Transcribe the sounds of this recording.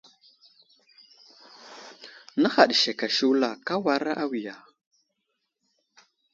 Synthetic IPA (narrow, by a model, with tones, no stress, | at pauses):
na˦xa˨ɗʃe˨ka˨ʃu˦wla˨ka˦wa˨ɾa˦ʔa˦wi˨ja˨